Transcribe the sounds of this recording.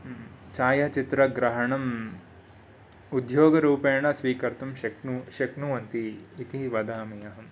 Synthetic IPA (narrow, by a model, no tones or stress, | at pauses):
t͡ʃaːjɐt͡ʃit̪ɾɐɡɾɐɦɐɳɐm | ud̪ʱjoːɡɐɾuːpeːɳɐsʋiːkɐɾt̪ɐmʃɐknuʃɐknuʋɐnt̪iːt̪iʋɐd̪ʱaːmijɐɦɐm